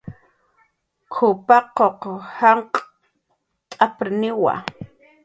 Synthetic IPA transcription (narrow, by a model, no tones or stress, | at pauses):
kʰʊpaqoqhaɴq | t̪ʼapɾnɪwa̰